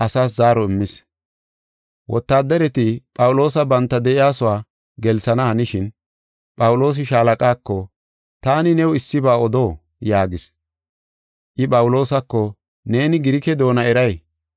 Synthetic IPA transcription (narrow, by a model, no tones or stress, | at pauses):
ʔɐsaːs̬zaːɾɔɪmːɪs | wʔɔ̰t̪ːaːd̪ːɐɾɛt̪ɪpʼɐwʊlo̞ːsɐbɐnt̪ːɐd̪ɛʔɪjaːsʊwaː | ɡɛlsɐnɐhɐnɪʃɪn | pʼɐwʊlo̞ːs̬ɪʃaːlɐkʼaːkːɔ | t̪aːnɪnɛwɪsːɪbaːɔd̪o̞ː | jaːɡɪs | ʔɪpʼɐwʊlo̞ːsɐkːɔ | ne̞ːnɪɡɪɾɪkɛd̪o̞ːnɐɛɾɐj